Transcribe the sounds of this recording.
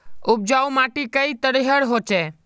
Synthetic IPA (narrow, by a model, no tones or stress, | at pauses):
ʊb̚d͡ʒaumaʈikəit̪əɽiɦəɽɦoːt͡ʃeː